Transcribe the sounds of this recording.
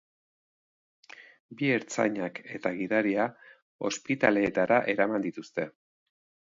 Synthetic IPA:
bie̞ɾt͡sa̰ɲake̞t̪aɣiðaɾia | o̞̰spit̪a̰le̞ːt̪aɾaʔe̞ɾamand̪it̪ust̪e̞

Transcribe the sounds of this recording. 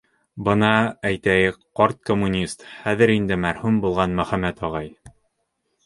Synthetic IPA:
bɤ̆nɑæjt̪æjɘkqɒɾt̪̚komːunʲist̪χæðɘ̆ɾind̪ɘmæɾhʉmbulˠʁɑnmɵ̆χæmæt̪ɒʁɑj

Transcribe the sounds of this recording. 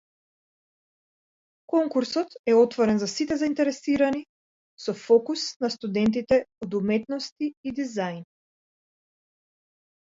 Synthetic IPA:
kɔŋkuɾsɔt̪ɛɔt̪vɔɾɛnzasit̪ɛzaint̪ɛɾɛsiɾani | sɔfɔkusnast̪ud̪ɛnt̪̬it̪ɛod̪umɛt̪nɔst̪iːd̪izajn

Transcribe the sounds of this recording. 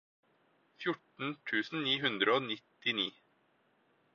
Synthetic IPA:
fjʊʈɳ̩t̪ʰʉːsn̩niːɦʉnd̪ɾəoːnɪt̪ɪniː

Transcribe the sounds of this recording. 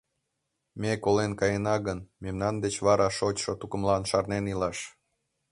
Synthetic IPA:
mekolenkɑjenɑɣənmemnɑnd̪et͡ɕβɑɾɑʃot͡ɕʃot̪ukəmlɑnʃɑrnenilɑʃ

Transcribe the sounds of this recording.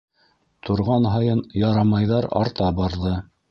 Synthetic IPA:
t̪ʰŏɾʁɑnɦɑjɤnjɑɾɑmɑjðɑɾɑ̰ɾt̪ɑbɑɾðɤ

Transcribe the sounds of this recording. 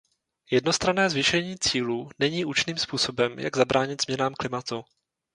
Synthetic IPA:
jɛd̚no̞st̪ɾanɛːzvɪʃɛɲiːt͡siːluːnɛɲiːʔut͡ʃniːmspuːso̞bɛmja̰ɡzabɾaːɲɪt̪z̥mɲɛnaːmklɪmat̪u

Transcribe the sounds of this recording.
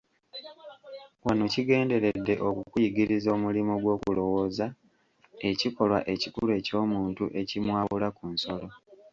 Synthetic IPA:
wanociɡe̞ːnde̞ɾe̞dːe̞ʔo̞kukujiɡiɾizo̞ːmulimoɡwo̞ːkulo̞wo̞ːza | e̞ciko̞lwa̰ʔe̞cikulue̞ːco̞ːmuːntuʔe̞cimwaːβulakunso̞lo̞

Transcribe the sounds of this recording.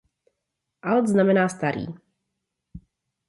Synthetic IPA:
ʔald̪znamɛnaːst̪aɾḭː

